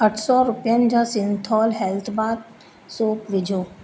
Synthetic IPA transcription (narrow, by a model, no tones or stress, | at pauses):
əʈʰsɔɾʊpjand͡ʒãsɪ̃nt̪ʰɔːlɦɛlt̪ʰbaːd̪̚ | soːkʋɪd͡ʒʱoː